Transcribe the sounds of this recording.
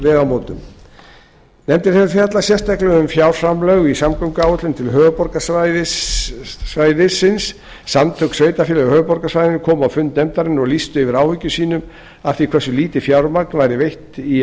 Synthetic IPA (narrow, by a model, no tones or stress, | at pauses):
vɛːðamoːt̪ʏm | nɛmt̪ɪɾθɛnaɾfjaat̪lasjɛst̪aklɛɣʏmfjawɾ̥sɾamlœɣisamkʰœmkʏaːwʏt̪lɪnt̪ʰɪlɦœːvʏpɔɾkasaðɪ | svaːjðɪsɪnsː | amt̪ʰœksveːjt̪afɪːlɛɣhœːvʏpɔɾkasvajðɪnkʰɔːmawfʏnt̪nɛmt̪aɾɪnɔɣlist̪ʏɪvɪɾaːwhʏcːʏsiːnʏm | afθikʰvɛsːʏliːt̪ɪfjawɾmaknvajɾɪvejht̪i